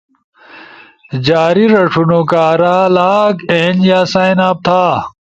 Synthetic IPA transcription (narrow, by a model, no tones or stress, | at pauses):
d͡ʑaːɾiɾɐʂʰunokaːɾaːlaːkend͡ʑjaːsaːjnaːb̚t̪ʰaː